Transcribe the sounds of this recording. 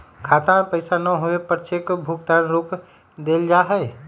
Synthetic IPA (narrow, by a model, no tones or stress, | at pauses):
kʰaːt̪ãpəɪsanəɦoepəɾt͡ʃʰekbʱuɡ̚t̪anɾoːk | d̪eːld͡ʒaɦɛe